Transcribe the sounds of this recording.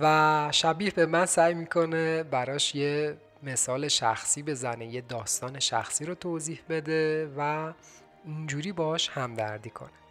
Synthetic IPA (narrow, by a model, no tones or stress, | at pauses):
væʃæbiːhbe̞mænsæːjmiːkʰo̞nebæɾɒːʃje | me̞sɒːle̞ʃæ̰xsiːbe̞zænejed̪ɒːst̪ɒːne̞ʃæ̰xsiːɾot̪ʰoːziːhbe̞d̪evæ | ind͡ʒuːɾiːbɒːʃhæmd̪æ̰ɾd̪iːkʰo̞̰ne